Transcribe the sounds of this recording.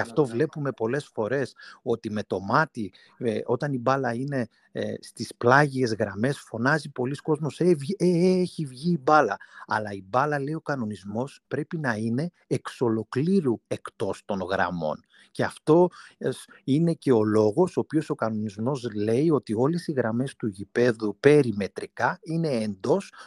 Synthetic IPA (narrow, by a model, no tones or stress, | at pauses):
ɐft̪o̞vle̞pume̞po̞le̞sfo̞ɾe̞so̞t̪ime̞t̪o̞mɐt̪i | o̞t̪ɐnibɐlɐine̞ | st̪isplɐʝie̞zɣɾɐme̞sfo̞nɐzipo̞lisko̞zmo̞sevieeçivʝiːbɐlɐɐ̰lɐibɐlɐle̞io̞kɐno̞nizmo̞spɾe̞pinɐine̞ːkso̞lo̞kliɾue̞kt̪o̞st̪o̞ŋɣɾɐ̰mo̞̰n | ce̞ɐft̪o̞s | ine̞ce̞o̞lo̞ɣo̞soːpio̞so̞kɐno̞nizmo̞zle̞io̞t̪io̞le̞siɣɾɐme̞st̪uʝipe̞ðupe̞ɾime̞t̪ɾikɐine̞ːnd̪o̞s